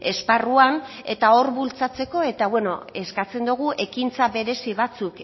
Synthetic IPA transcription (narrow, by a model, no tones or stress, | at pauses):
e̞sparuane̞t̪ao̞ɾβult͡sat͡se̞ko̞e̞t̪aβwe̞no̞̰e̞skat͡se̞nd̪uɣ̞uʔe̞kint͡saβe̞ɾe̞siβat͡suk